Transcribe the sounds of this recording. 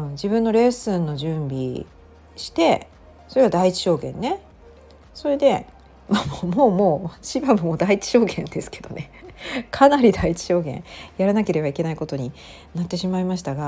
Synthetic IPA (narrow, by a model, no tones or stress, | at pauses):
ɯ̃d͡ʑibɯ̟̃nːo̞ɾe̞ːsɨnːo̞ʑɨ̃mbʲi | ɕi̥t̪e̞ | so̞ɾe̞ɡad̪ait͡ɕi̥ɕo̞ːɡẽ̞̰nːe̞ | so̞ɾe̞d̪e̞ | mamomoːmo̞ːɕibamomoːd̪ait͡ɕi̥ɕo̞ːɡẽ̞nd̪e̞sɨ̥ke̞̥d̪o̞ne̞kʰanaɾʲid̪ait͡ɕi̥ɕo̞ːɡẽ̞̰ɰ̃jaɾanake̞ɾe̞baike̞naiko̞t̪o̞ɲ̟i | nat̪ːe̞ɕimaimaɕ̬i̥t̪aɡa